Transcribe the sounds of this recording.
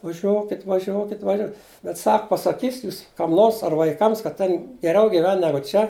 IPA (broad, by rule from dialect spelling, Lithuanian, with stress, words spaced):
ʋɐˈʒʲuɔkʲɪt ʋɐˈʒʲoːkʲɪt ʋɐˈʒʲoː bʲɛt ˈsɐk pɐsɐˈkʲiːsʲɪtʲ ˈjuːs kɐm ˈnoːrs ɐr ʋɐɪˈkɐms kɐt ˈtʲeːn ɡʲɛˈrʲɛʊ ɡʲɪˈʋʲɛn ˈnʲæːɡʊ ˈt͡ʃʲɛ